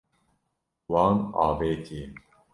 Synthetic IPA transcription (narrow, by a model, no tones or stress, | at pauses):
wɑːnɑ̰ːbeːt̪ʰiː